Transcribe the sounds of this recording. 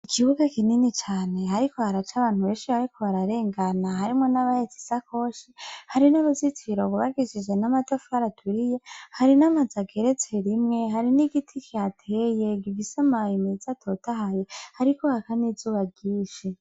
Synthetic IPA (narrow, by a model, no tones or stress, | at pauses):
ikʰiβuɡakininit͡ʃaːne̞ɦaɾikohaɾat͡ʃaβaːn̥huβeːnʃiβaɾikʰoβaɾaɾe̞ːŋɡanaɦaɾimŋo̞naβajet͡si̥sako̞ʃihaɾinaβuzit͡siɾoβuβaɡiʃid͡ʒɡenamatafaɾatʰuɾijehaɾinamazaɡe̞ɾet͡se̞ɾimŋe̞ɦaɾiniɡitʰikʰiatʰeje̞ɡivisamajimizatʰotahajehaɾiko̞hakanizuːβaɟiːʃe